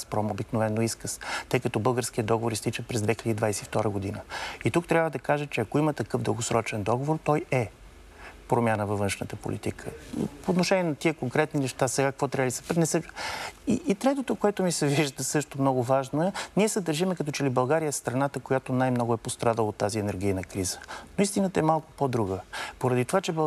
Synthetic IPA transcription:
spɾɔmobiknovɛnːoiskəst̪ɤjkɐt̪ɔbɤlˠɡəɾskiəd̪ɔɡovoɾist̪it͡ʃəpɾɛzd̪vɛxiləd̪id̪vajsɛift̪ɔɾəɡod̪inəit̪uk̚t̪ɾʲabvəd̪ɐkaʒət͡ʃɛɐkoimət̪ɐkɤfd̪ə̰lˠɡosɾɔt͡ʃɛnd̪ɔɡovoɾt̪ɔjɛ | pɾomʲjanəvɐvɤnʃnət̪əpo̰lʔḭt̪ikʰə̰poːt̪noʃɛnʲiɛnɐt̪iəkoŋkɾɛt̪ninɛʃt̪asɛɡakɐkvɔt̪ɾʲabəd̪isɛ̥pnɛsɛiʔːt̪ɾɛt̪ot̪okoɛt̪omisɛviʒd̪əsɤʃt̪omnɔɡʊvaʒnoɛniɛsɛd̪ɐɾʒimɛkɐt̪ɔt͡ʃɛlibɐlˠɡaɾijəɛst̪ɾɐnat̪əkojat̪onajmnɔɡʊɛpost̪ɾad̪əlˠot̪ːaziɛnɛɾɡʲijnəkɾizə̥noist̪inət̪ɐɛmalˠkʊ̥pod̪ɾuɡəpoɾɐd̪it̪ovat͡ʃɛb

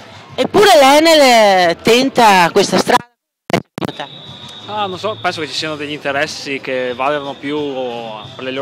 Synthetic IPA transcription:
epːuːɾelɛnelt̪ent̪akwest̪ast̪ɾa | amt̪aanonsɔpɛnsoket͡ʃːi̥siːanod̪eʎːint̪eɾɛsːikevaleɾanopju | perlelo

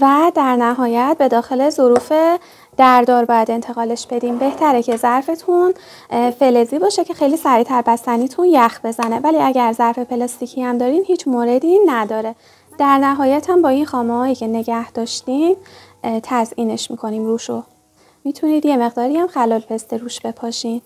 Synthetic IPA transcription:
væd̪æɾnæɦɒːjæt̪̚ʰbe̞d̪ɒːxe̞le̞zoɾuːfe̞ | d̪̥æɾd̪ɒːɾbɒːjæd̪e̞nt̪ʰe̞ɣɒːle̞ʃb̥e̞d̪iːmbe̞ht̪ʰæɾecʰe̞zæɾfe̞t̪ʰun | fe̞leziːbɒːʃecʰe̞xejliːsæɾiːt̪ʰæɾbæsæniːt̪ʰunjæxbe̞zæne̞væliːæɟæɾzæɾfe̞pʰe̞lɒːst̪iːcʰiæmd̪ɒːɾiːnhiːt͡ʃʰmoːɾe̞d̪inæd̪ɒːɾe̞ | d̪̥æɾnæɦɒːjæt̪ʰhæmbɒːinxɒːmehɒːjiːcʰe̞ne̞ɟæhd̪ɒːʃt̪im | t̪ʰæzʔiːne̞ʃmḭːkʰo̞niːmruːʃo | miːt̪ʰuniːd̪je̞me̞ɣd̪ɒːɾiæmxælɒːlpʰe̞st̪eɾuːʃb̥e̞pʰɒːʃiːn

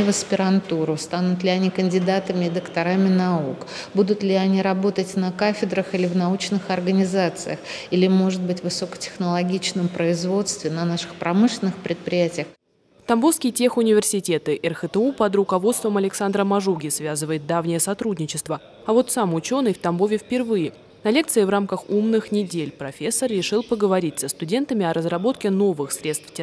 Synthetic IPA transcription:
vəspʲɪɾɐnt̪uɾʊst̪anʊt̪lʲɪɐnʲikənʲdʲɪd̪at̪əmʲɪːd̪əkt̪aɾamʲɪnauk | bud̪ʊt̪lʲɪɐnʲiɾɐbo̞t̪ətʲnəkafʲɪd̪ɾəxilʲɪvnaut͡ɕnɨxɐrɡənʲɪzat̪sɨjəxilʲɪmo̞ʐɨt̪̚bɨtʲvɨsokə̥tʲɪ̥xnəlˠɐɡʲit͡ɕnɨmpɾəɪzvo̞t̪st̪vʲɪnɐnaʂɨ̥xpɾɐmɨʂlʲɪnːɨxpɾʲɪt̪̚pɾʲɪjætʲɪjəx | ft̪ɐmbofskʲɪjtʲexʊnʲɪvʲɪrsʲɪtʲe̞t̪ɨʔɛrxət̪əupəd̪ɾʊkɐvo̞t̪st̪vəmɐlʲɪksand̪ɾəmɐʐuɡʲɪsvʲazɨvəjɪt̪̚d̪avnʲɪjəsɐt̪ɾudʲnʲɪt͡ɕɪst̪və | ɐvo̞t̪samʊt͡ɕo̞nɨjft̪ɐmbo̞vʲɪfpʲɪrvɨjɪ | nɐlʲek̚tsɨɪvramkəxumnɨxnʲɪdʲelʲpɾɐfʲe̞sːərrʲɪʂɨlˠpəɡəvɐɾʲitʲsəst̪ʊdʲe̞nt̪əmʲɪɐɾəzrɐbo̞t̪̚kʲɪno̞vɨxsɾʲe̞t̪st̪ftʲ

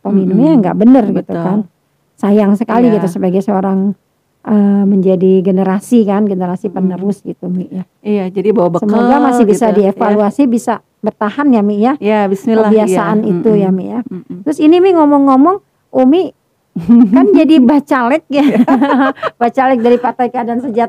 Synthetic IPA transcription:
pəminumɲaŋɡa̰ʔbənərɡit̪ukan | sajaŋsəkaliɡit̪usəbaɡajsəoɾaŋ | ʔəməɲd͡ʒadiɡənəɾasikanɡənəɾasipənəɾʊsɡit̪umɪʔja | ijad͡ʒadibawabəsəmoɡamasɪhbisadiefaluasibisa | bərt̪ahanjamɪjajabisnilkəbiasaʔanit̪ujamijat̪ɾʊsinimɪŋɔmɔŋːɔmɔŋ | ʔumi | kand͡ʒadibat͡ʃalɛk̚ja | bat͡ʃalɛk̚daɾipat̪ajkaadansəd͡ʒat̪̚

